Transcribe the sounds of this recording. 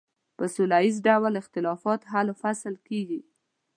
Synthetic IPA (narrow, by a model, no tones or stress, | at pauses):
pəsʊlɑizɖawlɪxt̪ɪlɑfɑt̪ɦalfaslkeɡi